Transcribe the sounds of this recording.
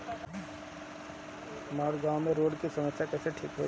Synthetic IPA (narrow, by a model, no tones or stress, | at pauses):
maːɾɡãːmẽɾoːɽkisɐməksjakɛːseʈʰiːkɦo̰ː